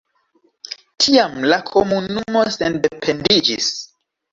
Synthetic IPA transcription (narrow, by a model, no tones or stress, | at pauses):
tʰiamlakʰomunumo̞sende̞pʰe̞ndid͡ʒḭs